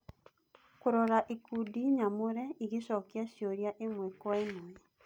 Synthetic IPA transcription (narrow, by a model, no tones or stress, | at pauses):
koɾɔɾaʔekudiɲamoɾɛiɣeɕɔkiaɕjoɾjaʔemwɛkwaenɔɛ